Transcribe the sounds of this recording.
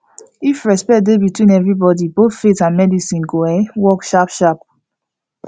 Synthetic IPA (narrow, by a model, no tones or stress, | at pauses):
ifɹɛspɛt̚debitwĩnɛvɹibɔdiboθfetãnmɛdisĩnɡoɛwɔkʃapʃap̚